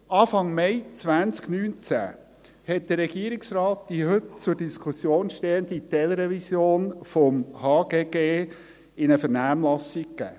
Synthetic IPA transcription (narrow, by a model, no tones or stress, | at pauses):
ʔɑːfɑŋmɛɪt͡sʋænt͡sknyːnt͡sæ̰ | hɛt̚d̥̪ərːɛɡiəɾɪksrɑːt̚d̥iɦɵt̚t͡sʊɾd̥iskʰusjoːnʃteːənd̥̪it̪ɛləɾɛvisjoːnfɔmhɑːɡ̥eːɡeː | ɪnəfəɾnæːmlɑsik̚kːæ̰ː